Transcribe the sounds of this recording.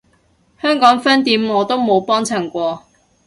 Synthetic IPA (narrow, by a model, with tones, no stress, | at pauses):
hœː˥ŋkɔː˨˥ŋfɐ˥nt̪iː˨˥mŋɔː˨˧t̪o˥wmo˨˧wpɔː˥ŋt͡sʰɐ˨˩ŋkʷɔː˧